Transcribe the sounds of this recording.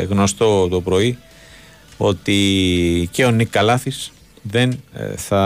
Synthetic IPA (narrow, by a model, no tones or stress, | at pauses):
ɣno̞st̪o̞t̪o̞pɾo̞i | o̞t̪i | ceo̞nikːɐlɐθis | ðe̞nθɐ